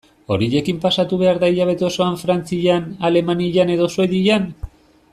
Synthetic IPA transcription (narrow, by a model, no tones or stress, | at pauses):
o̞̰ɾiʎe̞kimpasat̪uβe̞aɾðaiʎaβ̞e̞t̪eoso̞aɱfɾant͡siʎanale̞maniʎane̞ðo̞swe̞ðiʎan